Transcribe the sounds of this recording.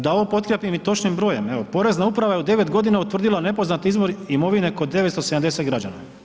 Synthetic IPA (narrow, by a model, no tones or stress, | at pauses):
d̪ao̞ʋopo̞t̪kɾepimit̪o̞t͡ʃnimbɾo̞je̞meʋo̞po̞ɾe̞znaupɾaʋajeud̪e̞ʋe̞t̪ɡo̞d̪inaut̪ʋr̩d̪ilane̞po̞znat̪izbo̞ɾimo̞ʋine̞ko̞d̪ːe̞ʋet̪ose̞d̪amd̪eset̪ɡɾad͡ʑana̰